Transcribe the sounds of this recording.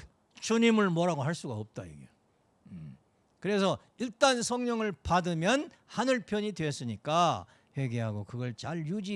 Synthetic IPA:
t͡ɕuɲimɯɭmwʌɾaɡoɦaɭs͈uɡaʌp̚t͈ajḭɡe | kɯɾe̞sʰʌ | iɭt͈ansʰʌŋɲʌŋɯɭpadɯmjʌn | hanɯɭpʰjʌɲidweʌs͈ɯɲik͈a | ɸwe̞ɡeɦaɡokɯɡʌɭt͡ɕaɭjud͡ʑi

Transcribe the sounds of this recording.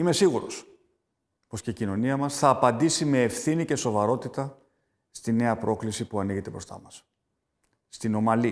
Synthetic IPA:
ime̞siɣuɾo̞̰s | po̞sceicino̞niɐmɐsθɐːpɐnd̪isime̞ːfθinice̞so̞vɐɾo̞t̪it̪ɐ | st̪ine̞ɐpɾo̞klisipuɐniʝet̪e̞bɾo̞st̪ɐ̰mɐs | t̪ino̞mɐli

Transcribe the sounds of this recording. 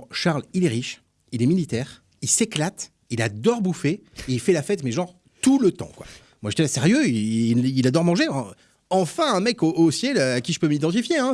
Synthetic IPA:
ʃaʁlilɛʁiʃ | ilɛmilit̪ɛːʁ | ilseklat̪ | ilad̪ɔʁbufeːilfɛlafɛt̪mɛʒɑ̃ʁ | t̪ulət̪ɑ̰̃kwa̰ | mwaʒe̥t̪ɛasɛʁjøiililad̪ɔʁmɑ̃ʒẽfɛ̰̃ | ɑ̃fɛ̃ɛ̃mɛkoʔosjɛløakʲiʒəpømid̪ɑ̃t̪ifjeɛ̃

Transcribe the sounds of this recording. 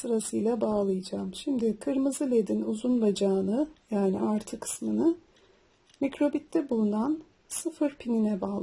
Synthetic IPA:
sɯɾasɯjlʲˠabaːlˠɯjɯd͡ʒaːmʃimd̪ɪkʰɯɾmɯzɯlʲed̪inuzunlˠad͡ʒaːnɯjaːniʔaɾt̪ʰɯkʰɯ̥smɯnɯ | micɾo̞bit̪ʰːɛbulˠunan | sɯfɯɾpʰininɛbaːlˠ

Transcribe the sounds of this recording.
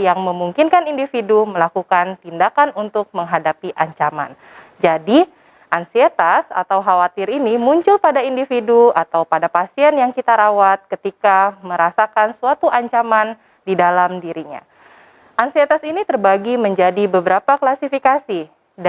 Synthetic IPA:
jaŋməmuŋkinkanindifiduməlakukant̪indakanunt̪ʊk̚məŋɦadapiʔaɲt͡ʃama̰n | d͡ʒadi | ʔansiɛt̪asa̰t̪awɦawat̪iɾinimuɲt͡ʃʊlpadaindifiduat̪awpadapasiɛnjaŋkit̪aɾawat̪̚kət̪ikaməɾasakansuat̪uʔaɲt͡ʃaman | didalamdiɾiɲa̰ | ʔansiɛt̪asinit̪ərbaɡiməɲd͡ʒadibəbəɾapaklasifikasi | d

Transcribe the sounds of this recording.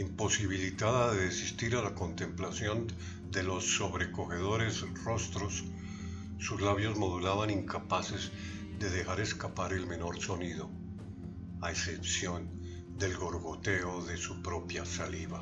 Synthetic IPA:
impo̞siβ̞ilit̪aðaðeðesist̪iɾalako̞nt̪e̞mplasjo̞n | d̪e̞lo̞sːo̞βɾe̞ko̞xe̞ðo̞ɾe̞sro̞st̪ɾo̞sː | uzlaβjo̞zmo̞ð̞ulaβaniŋkapase̞z | ðe̞ðe̞xaɾe̞skapaɾe̞lme̞no̞ɾso̞niðo̞ | ae̞sepsjo̞n | d̪e̞lɣo̞ɾɣot̪e̞oðe̞supɾo̞pjasaliβa

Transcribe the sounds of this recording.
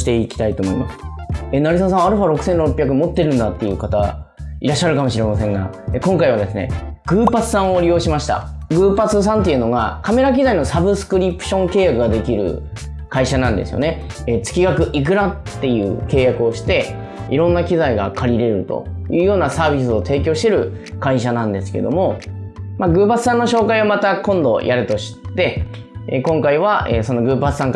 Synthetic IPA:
i̥t̪e̞ikʲi̥t̪ait̪o̞ːmo̞ima̰sɨ̥enaɾisas̬ãɰ̃aɾɯɸaɾo̞kɯ̟̥sẽ̞nɾo̞pːʲjak̬ɯ̟mo̞t̪ːe̞ɾɯ̟̃nd̪at̪ːe̞jɯ̟ːkat̪a̰ḭɾaɕːaɾɯ̟kamo̞ɕiɾe̞masẽ̞ŋɡa̰ | ekõ̞ŋkaiβad̪e̞sɨne̞̰ɡ̥ɯ̟ːpat͡sɨ̥sãɰ̃o̞ɾʲijo̞ːɕimaɕi̥t̪a̰ɡɯ̟ːpat͡sɨs̬ãnt̪e̞iɯ̟no̞ɡakame̞ɾak̬ʲizaino̞sabɯ̟sɨ̥kɯ̟ɾʲipɯ̥ɕõ̞ŋke̞ːjakɯɡad̪e̞kʲiɾɯ̟̰ | kaiɕanãnd̪e̞̰sɨjo̞̰ne̞ | eːt͡sɨ̥kʲiɡakɯ̟ʔik̬ɯ̟ɾat̪ːe̞jɯ̟̰ːke̞ːjakɯ̟o̞ɕi̥t̪e̞ | ḭɾõ̞nːakʲizaiɡa̰kʰaɾʲiɾe̞ɾɯ̟t̪o̞̰jɯ̟ːjo̞ːnasaːbʲis̬ɨo̞t̪e̞ːk̬ʲo̞ːɕi̥t̪e̞ɾɯ̟ | kaiɕanãnd̪e̞sɨ̥ke̞̰d̪o̞̰mo̞ | maɡɯ̟ːpat͡sɨ̥sãnːoɕo̞ːkaiβomat̪akõ̞nd̪o̞̰jʔaɾɯ̟t̪o̞ɕi̥t̪ːe̞ | ḛkõ̞ŋkaiβ̞aʔeːso̞no̞ɡɯ̟ːpat͡sɨ̥sãŋk

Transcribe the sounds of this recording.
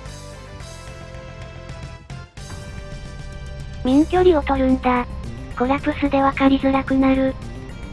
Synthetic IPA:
mʲĩŋkʲo̞ɾʲio̞t̪o̞ɾɯ̟̃nd̪aɡ̥o̞ɾapɯ̟sɨd̪e̞βakaɾʲizɨɾakɯ̟naɾɯ̟

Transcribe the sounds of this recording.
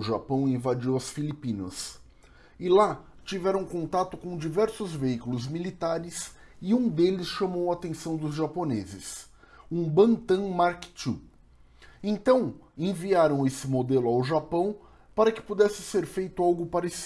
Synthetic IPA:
ʊʒapɐ̃w̃ẽvad͡ʒiwɐsfilipĩnɐ̰s | ɪlat͡ʃivɛɾɐ̃w̃kõnt̪at̪ʊkõw̃d͡ʒivɛɾsʊzveikulʊzmilit̪aɾɪs | ɪũd̪elɪsʃɐmowaːt̪ẽsɐ̃w̃d̪ʊzʒaponezɪs | ũbɐ̃nt̪ɐ̃maɾkt͡ʃu | ẽt̪ɐ̃w̃ẽviaɾɐ̃w̃esɪmod̪elʊawʒapɐ̃w̃ | paɾɐkɪ̥pod̪ɛsɪseɾfejt̪ʊawɡʊpaɾesi̥

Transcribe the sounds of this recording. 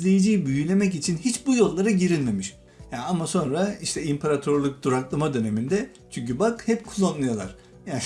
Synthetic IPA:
lʲe̞jid͡ʒiːbyjylʲe̞mɛc̬it͡ʃʰinɦit͡ʃbujo̞lˠːaɾaɟiɾinme̞miʃ | jaamaso̞nɾaiʃt̪ʰɛimpʰaɾat̪ʰøɾlˠuk̚d̪̥uɾaklˠamad̪ø̞ne̞mind̪ɛ | t͡ʃʰyɲcybakhɛpkʰulˠːanːɯjalˠa̰ɾ̥ | ja

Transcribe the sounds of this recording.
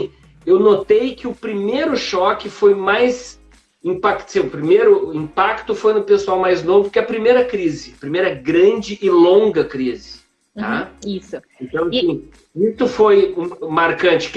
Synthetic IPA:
ewnot̪ejkɪʊpɾimejɾʊʃɔkɪfojmajz | ĩpakt̪sĩʊpɾimejɾʊĩpakt̪ʊfojnʊpesuawmajznovʊkɪɐpɾimejɾɐkɾizɪɐpɾimejɾɐɡɾɐ̃d͡ʒɪʔɪlõŋɡɐkɾizɪ | t̪aisʊẽt̪ɐ̃w̃ɐsĩ | isʊfojũmaɾkɐ̃t͡ʃɪ̥k

